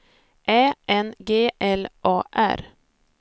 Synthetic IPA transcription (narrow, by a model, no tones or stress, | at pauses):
ʔeːʔɛnɡeːʔɛlʔɑːʔæ̰ɾ